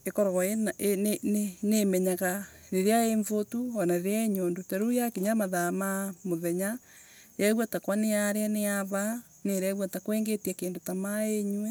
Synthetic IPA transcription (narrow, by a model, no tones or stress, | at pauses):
ekɔɾɔɣɔenaʔenenenemɛɲaɣa | ɾeɾeaeɱvotuɔnaɾeɾeaeɲoːndotaɾujakiɲamaðamamoðɛɲa | jaɣwatakwaneaɾeaneaβa | neɾɛɣwatakweːŋɡetjakeːndotamaeɲwe